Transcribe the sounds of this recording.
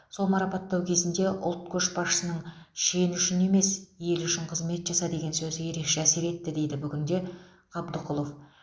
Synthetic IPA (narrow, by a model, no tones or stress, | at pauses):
so̞lˠmɑɾɑpɑt̪ːɑwkʲʰe̞zɪnd̪e̞ʔʊ̰lˠt̪̚kʲʰɵʃbɑʃə̥sənəɴʃejɪnʏʃɪne̞me̞sje̞lʏʃɪɴqʰəzme̞t̪ʒ̥ɑsɑd̪e̞ɡʲe̞nsɵzɪje̞ɾe̞kʃe̞æse̞ɾe̞t̪ːɪd̪e̞jd̪ɪbʏɡʲɪnd̪e̞ | qʰɑbd̪əqʰʊlˠo̞f